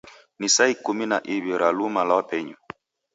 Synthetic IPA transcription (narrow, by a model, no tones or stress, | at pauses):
nisaikuminaʔiβiɾalumalawapɛɲɔ